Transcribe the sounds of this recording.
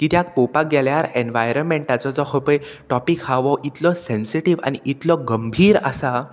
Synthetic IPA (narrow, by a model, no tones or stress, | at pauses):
kit̪jak̚popaɡɛljaɾenʋajɾənmẽɳʈat͡sɔd͡zɔhəpəjʈɔpikhaʋɔʔit̪lɔsẽnsiʈiʋa̰ñiʔit̪lɔɡəmbʱiːɾa̰sa